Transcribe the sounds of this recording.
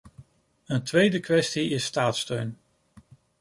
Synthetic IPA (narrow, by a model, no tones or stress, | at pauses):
əntʋejdəkʋɛstiɪsːtaːtstøɥn